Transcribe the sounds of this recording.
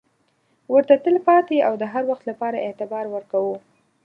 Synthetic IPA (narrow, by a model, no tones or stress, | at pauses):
wəɾt̪at̪əlpɑt̪eawd̪əɦaɾwaxt̪lapɑɾaʔɪt̪ɪbɑɾwəɾkawu